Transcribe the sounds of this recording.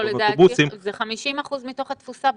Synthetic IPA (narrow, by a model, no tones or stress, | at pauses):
oledaːbusimzeχamiʃimaχuzmito̞χat̪fusab